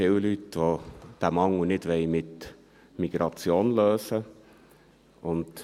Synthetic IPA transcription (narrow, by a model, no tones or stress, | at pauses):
fɪwlytʋod̪̥æmɑŋːunɪdʋɛɪmɪt̪ | miɡ̥ɾɑt͡sjoːnløːsə | ʔʊnt